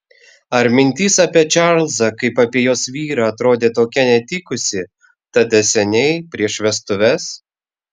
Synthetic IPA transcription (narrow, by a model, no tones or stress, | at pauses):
ɐɾmʲɪnʲt̪ʲiːsɐpʲiɛt͡ʃʲɑɾlˠzɐkɐɪpɑpʲiɛjoːsʋʲiːɾɑːɐt̪ɾoːd̪ʲeːt̪oːkʲɛnʲɛt̪ʲɪkʊsʲɪ | t̪ɐd̪ʲɐsʲɛnʲɛɪpʲɾʲiɛʃʋʲɛst̪ʊʋʲɛs